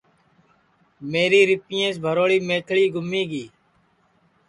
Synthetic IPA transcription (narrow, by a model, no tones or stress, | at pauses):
meːɾiːɾɪpɪjẽːs̬bʱəɾoːɽiːmeːk̪ʰɭiːɡʱʊmːiːɡiː